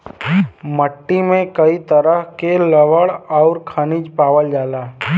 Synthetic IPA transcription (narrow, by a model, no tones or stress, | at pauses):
məʈːimẽkəit̪əɾəɦkeləʋəɽɔːʊɾkʰənɪd͡ʒpaːʋəld͡ʒaːlaː